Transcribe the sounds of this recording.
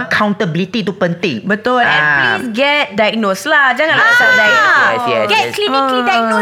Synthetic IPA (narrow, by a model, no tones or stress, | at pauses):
kʰãw̃ntəbilit̪it̪upə̃nt̪ɪ̃ŋbət̪ɔlɛ̰̃nisɡɛt̚dajɡ̚noslad͡ʒaŋãnlasadajnɛɡɛklinĩŋklidak̚no